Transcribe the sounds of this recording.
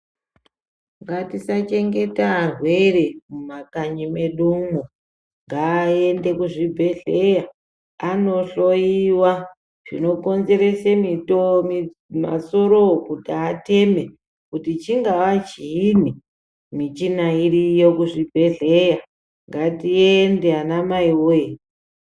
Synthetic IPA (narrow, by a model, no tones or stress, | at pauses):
ŋɡatisat͡ʃe̞ŋɡe̞taːrwe̞re̞mumakaɲime̞ɗumo | ŋɡaːe̞nde̞kuʐibʱe̞ɮe̞ja | ano̞ɬo̞jiwa | ʐ̥ḭno̞ko̞nze̞ɾe̞semitomi | ma̰so̞ɾo̞kutaate̞me̞ | kutit͡ʃiŋɡawat͡ʃiini | mit͡ʃinairijokuʐibʱe̞ɮe̞ja | ŋɡatiendeanamaiwoje